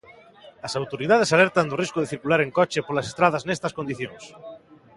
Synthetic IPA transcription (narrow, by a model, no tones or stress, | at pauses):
ɐsawt̪oɾiðað̞esaleɾt̪and̪oriskoðeθiɾkulaɾeŋkɔt͡ʃepolasest̪ɾaðɐznest̪ɐskond̪iθjõŋs